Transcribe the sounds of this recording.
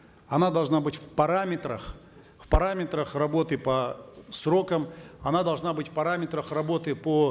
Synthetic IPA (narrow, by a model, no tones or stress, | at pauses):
ɐnad̪ɐlˠʐnabɨtʲfpɐɾamʲɪt̪ɾəx | fpɐɾamʲɪt̪ɾəxrɐbo̞t̪ɨpɐsɾo̞kəmɐnad̪ɐlˠʐnabɨtʲfpɐɾamʲɪt̪ɾəxrɐbo̞t̪ɨpo